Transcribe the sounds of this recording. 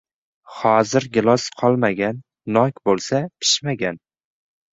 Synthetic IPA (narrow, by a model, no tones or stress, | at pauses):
hɒzɪɾɡʲɪlˠɒsqʰɒlˠmaɡʲanː | ɒkʲbolˠsapʰɪ̥ʃmaɡʲan